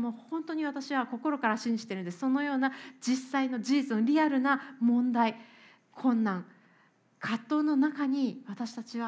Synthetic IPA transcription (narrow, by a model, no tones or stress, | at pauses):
moːhõ̞nt̪o̞ɲ̟iβat̪aɕiβako̞ko̞ɾo̞kaɾaɕĩɲ̟d͡ʑi̥t̪e̞ɾɯ̟nd̪esso̞no̞jo̞ːnad͡ʑisaino̞d͡ʑiːt͡sɨno̞ɾʲiaɾɯ̟namõ̞nd̪ai | kʰõ̞nːãŋ | kʰat̪ːo̞ːno̞nakaɲ̟iβat̪aɕi̥t̪at͡ɕiβa